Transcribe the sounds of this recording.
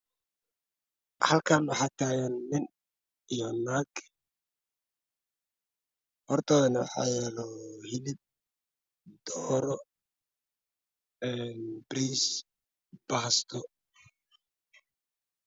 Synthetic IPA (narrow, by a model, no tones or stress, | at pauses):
hɐlkʰaːnwɑħɑːt̪ʰaːjɛnmɪn | ijɔnaːɡ | hɔrt̪ʰaːðɐnɐwɑħɑ̰ːjɛːlɔhɪlɪb̚ | d̪ɔːɾɔ | ɛːnbɾiːs | b̥ɐɦɐst̪ʰɔ